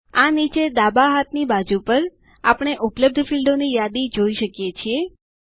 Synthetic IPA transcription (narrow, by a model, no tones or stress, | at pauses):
anit͡ʃed̪abaɦat̪nibad͡ʒupəɾ | apɳ̃eʔʊpləb̚d̪ʱəfilɖonijad̪id͡ʒoiʃəkjet͡ʃʰie